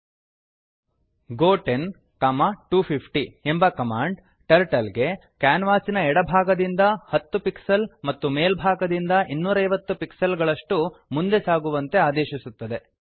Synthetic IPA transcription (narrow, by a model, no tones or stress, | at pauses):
ɡoːʈen | kaːmɐʈuːpʰipʰʈiembɐkɐmaːɳɖ | ʈɐɾʈɐlɡe̞ | kaːnʋaːsinɐɛɽɐbʱaːɡɐd̪ind̪ɐhɐt̪ːupiksɐlmɐt̪ːumeːlbʱaːɡɐd̪ind̪ɐʔinːuːɾɐɐjʋɐt̪ːupiksɐlɡɐɭɐʂʈumund̪e̞saːɡuʋɐnt̪e̞aːd̪eːʃisut̪ːɐd̪e̞